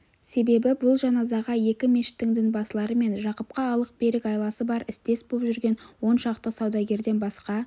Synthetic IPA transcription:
se̞be̞bɪbʊlˠʒɑnɑzɑʁɑje̞kʲɪme̞ʃɪ̥t̪ːɪŋd̪ɪŋbɑsəlˠɑɾəme̞nʒɑqəp̚qɑːlˠəq̚be̞ɾɪkɑjlˠɑsəbɑɾɪst̪e̞sbopʒʏɾɡʲe̞nwo̞nʃɑqt̪əsɑwd̪ɑɡʲe̞ɾd̪e̞nbɑsqɑ

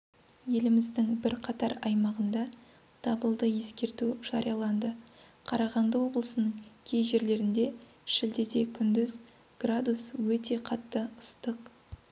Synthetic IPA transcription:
je̞lɪmɪzd̪ɪŋbɪɾqʰɑt̪ɑɾɑjmɑʁənd̪ɑ | d̪̥ɑbəlˠd̪əje̞skʲe̞ɾt̪uʒ̥ɑɾijɑlˠɑnd̪ə | qʰɑɾɑʁɑnd̪əwo̞blˠəsənəɴkʲʰe̞jʒe̞ɾle̞ɾɪnd̪e̞ | ʃɪld̪ed̪e̞kʲʰʏnd̪ɪz | ɡ̥rad̪uswɵt̪e̞qʰɑt̪ːəəst̪əq

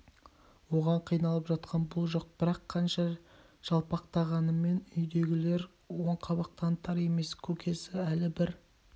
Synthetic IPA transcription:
wo̞ʁɑɴqʰijnɑlˠəpʒɑt̪qʰɑnbʊlˠʒo̞q̚b̥ɪɾɑqʰːɑnʃɑ | ʒ̥ɑlˠpɑq̚t̪ɑʁɑnəme̞nʏjd̪e̞ɡʲɪle̞ɾ | wo̞ɴqʰɑβɑq̚t̪ɑnt̪ʰɑɾe̞me̞skʲʰɵkʲʰe̞sɪælɪbɪɾ

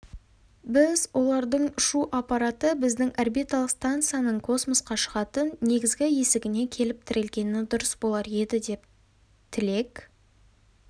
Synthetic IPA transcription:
bɪzwʔo̞lˠɑɾd̪əɴʃuʔapɑɾat̪əbɪzd̪ɪŋʔarbijt̪alˠəqst̪ant̪sɨjanəɴkʰo̞smosqɑʃəʁɑt̪ənːe̞ɡʲɪzɡʲɪje̞sɪɡʲɪne̞kʲʰe̞lɪp̚t̪ʰɪɾɪlɡʲe̞nɪd̪ʊɾəsbo̞lˠɑɾe̞d̪ɪd̪e̞p̚ | t̪ʰɪle̞k

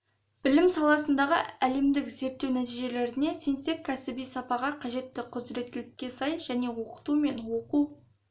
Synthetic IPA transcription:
b̥ɪlɪmsɑlˠɑsənd̪ɑʁə̰æle̞md̪ɪkze̞ɾt̪ːe̞wnæt̪ijʒe̞le̞ɾɪne̞se̞nse̞kʲʰːæsɪbijsɑpɑʁɑqʰɑʒe̞t̪ːɪqʰʊzɾe̞t̪̚ːɪlɪkʲːe̞sɑjʒ̥æne̞wo̞qə̥t̪ume̞nwo̞qu

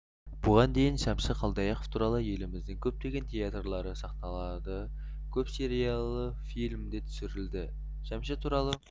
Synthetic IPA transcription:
b̥ʊʁɑnd̪e̞jɪnʃæmʃəqʰɑlˠd̪ɑjɑqoft̪ʰuɾɑlˠəje̞lɪmɪzd̪ɪŋkʲʰɵp̚t̪e̞ɡʲe̞nt̪ʲʰe̞at̪rlˠɑɾəsɑqnɑlˠɑd̪ə | kʲʰɵpse̞ɾijɑlˠə | fijlʲmd̪e̞t̪ʰʏ̥sɪɾɪld̪ɪ | ʃæmʃɪt̪ʰuɾɑlˠə

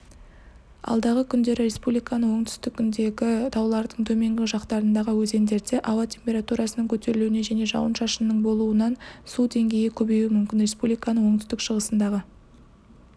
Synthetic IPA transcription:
ɑ̰lˠd̪ɑʁəkʲʰʏnd̪e̞ɾɪɾe̞spublijkɑnəɴwo̞ɴt̪ʏ̥st̪ɪkʲːʰʏnd̪e̞ɡʲɪt̪ʰɑwlˠɑɾd̪əɴt̪ʰɵme̞ŋɡʲɪʒɑqt̪ɑɾənd̪ɑʁəwɵze̞nd̪e̞ɾd̪e̞ʔɑwɑt̪ʲʰe̞mpʲe̞ɾat̪uɾɑsənəɴkʲʰɵt̪e̞ɾɪluwɪne̞ʒæne̞ʒɑ̰wənʃɑʃənːəɴbo̞lˠuənɑnsud̪e̞ŋɡʲe̞jɪkʲʰɵbe̞juɪmʏmkʲɪnɾʲe̞spublikanəɴwo̞ɴt̪ʏ̥st̪ɪkʃəʁəsənd̪ɑʁə

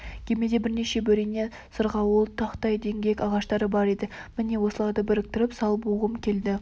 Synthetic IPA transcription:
kʲʰeme̞d̪e̞bɪɾneʃe̞bɵɾene̞ | səɾʁɑwolˠt̪ʰːɑqt̪ɑjd̪e̞ŋɡʲe̞kʲɑʁɑʃt̪ɑɾəbɑɾe̞d̪ɪmɪne̞wo̞səlˠɑɾd̪əbɪɾɪk̚t̪ɪɾɪpsɑlˠbuʁəmkʲʰe̞ld̪ɪ

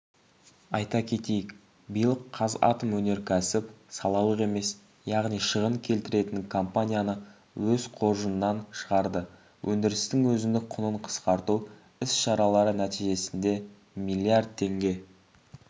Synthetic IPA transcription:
ɑjt̪ɑkʲʰe̞t̪e̞jɪk | bijəlˠəqʰːɑzɑ̰t̪əmwɵne̞ɾkʲʰæsɪpsɑlˠɑlˠəʁe̞me̞s | jɑʁnijʃəʁəɴkʲʰe̞lt̪ɪɾe̞t̪ɪŋkʰompanʲijanə | wɵzqʰo̞ɾʒənːɑnʃəʁɑɾd̪ə | wʔɵnd̪ɪɾɪst̪ɪŋwɵzɪnd̪ɪqʰʊnəɴqʰə̥sqɑɾt̪u | ɪsʃɑɾɑlˠɑɾənæt̪iʒe̞sɪnd̪e̞ | milʲˠːijard̪̚t̪ʰːe̞ŋɡʲe̞

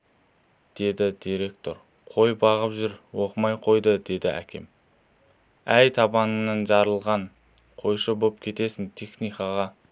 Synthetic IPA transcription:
d̪̥e̞d̪ɪd̪̥iɾe̞k̚t̪o̞ɾ | qʰo̞jbɑʁəpʒʏɾwo̞qəmɑjqʰo̞jd̪əd̪e̞d̪ɪæ̰kʲʰe̞̰m | æjt̪ʰɑbɑnənɑnʒɑɾəlˠʁɑɴ | qʰo̞jʃəbop̚kʲʰe̞t̪e̞sɪnt̪ʰeχnijkɑʁɑ

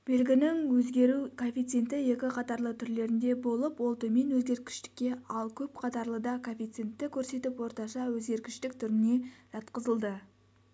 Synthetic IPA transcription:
b̥e̞lɡʲɪnɪŋwɵzɡʲe̞ɾukʰofʲijt̪sent̪ɪje̞kʲɪqʰɑt̪ɑɾlˠət̪ʰʏɾle̞ɾɪnd̪e̞bo̞lˠəpwo̞lˠt̪əme̞nwɵzɡʲe̞ɾkʲɪ̥ʃt̪ɪ̥kʲːe̞ɑlˠkʲʰɵpqʰɑt̪ɑɾlˠəd̪ɑkʰofʲijt̪sient̪ːɪkʲʰɵɾse̞t̪ɪpwo̞ɾt̪ɑʃɑwɵzɡʲe̞ɾkʲɪʃt̪ɪk̚t̪ʰʏɾɪne̞ʒ̥ɑt̪qəzəlˠd̪ə

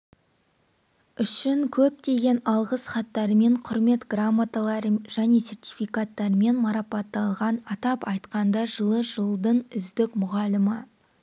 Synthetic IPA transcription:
ʏʃɪŋkʲʰɵp̚t̪e̞ɡʲe̞nɑlˠʁəsχɑt̪ːɑɾəme̞ɴqʰʊɾme̞t̪ɡramːat̪alˠɑɾəʒ̥æne̞se̞rt̪ʲi̥fijkat̪ːɑɾəme̞nmɑɾɑpɑt̪ːɑlˠʁɑnɑt̪ɑpɑjt̪qɑnd̪ɑʒəlˠəʒəlˠd̪əɴʏzd̪ɪkmʊʁɑləmə

